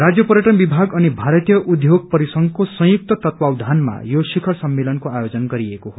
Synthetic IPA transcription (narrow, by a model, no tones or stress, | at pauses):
rad͡zjʌpʌɾjʌʈʌnbibʱaɡʌnibʱaɾʌt̪jʌʔud̪ʱjoɡ̚pʌɾisʌŋɡkosʌ̃j̃uk̚t̪ʌt̪ʌt̪wawd̪ʱanma̰josikʰʌɾsʌmːelʌnkoajod͡zʌnɡʌɾiekoɦo